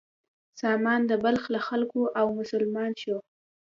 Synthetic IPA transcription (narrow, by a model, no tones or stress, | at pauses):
sɑmɑnd̪əbalxlaxalkoʔawmʊsʊlmɑnʃo